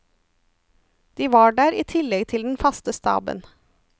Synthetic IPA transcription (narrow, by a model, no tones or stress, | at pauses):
d̪̥iːʋɑːɖæːɾiːt̪ʰɪlɛɡt̪ʰɪld̪n̩fɑst̪əst̪ɑ̰ːbə̰n